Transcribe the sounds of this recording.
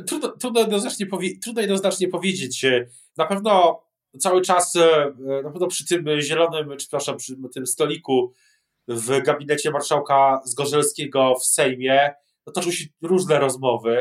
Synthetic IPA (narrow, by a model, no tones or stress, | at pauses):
t̪ɾud̪nɔt̪ɾud̪nɔjɛd̪ɔznat͡ʂɲɛpɔvʲjet̪ɾud̪nɔjɛd̪nɔznat͡ʂɲɛpɔvʲjed͡ʑet͡ɕ | napɛvn̪ɔ | t̪sawɘt͡ʂasnapɛvnɔpʂɘ̥t̪ɘmʑɛlɔnɘmt͡ʂɘ̥pɾaʂapʂɘt̪ɘmst̪ɔlʲiku | vɡabʲinɛt͡ɕɛmaɾʂawkazɡɔʐɛlskʲɛɡɔfsɛjmʲjɛ | ɔt̪ɔt͡ʂɛwɕɛɾuʐnɛɾɔzmɔvɘ